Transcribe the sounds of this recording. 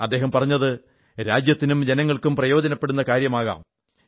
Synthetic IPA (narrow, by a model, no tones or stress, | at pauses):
ɐd̪ːe̞ːɦɐmpɐrɐɲːɐðɨ | ɾaːd͡ʑjɐt̪ːinumd͡ʑe̞nɐŋːɐɭkumprɐjo̞ːdɐnɐpːeɽunːɐkaːɾjɐmaːɣa̰ːm